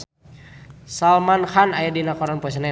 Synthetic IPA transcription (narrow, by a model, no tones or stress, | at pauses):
salmanhanajadinakɔɾanpɔɛs̬ana